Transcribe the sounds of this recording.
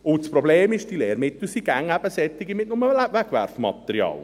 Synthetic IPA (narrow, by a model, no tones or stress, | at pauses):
ʊtspɾɔbleːmɪʃd̥ileːɾmɪt̪usiɡ̥æŋæb̥əsɛt͡sːɪɡimɪt̚nʊməlæbʋæɡvæɾfmɑ̰t̪ɛɾjɑ̰ːl